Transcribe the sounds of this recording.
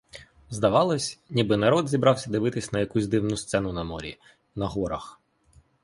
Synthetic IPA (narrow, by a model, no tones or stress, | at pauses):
zd̪ɐʋɑlˠɔsʲnʲibɪnɐɾɔd̪zʲibɾɑwsʲɐd̪ɪʋɪt̪ɪsʲnɐjɐkuzʲd̪ɪwnʊst̪sɛnʊnɐmɔɾʲḭ | nɐɦɔɾɐx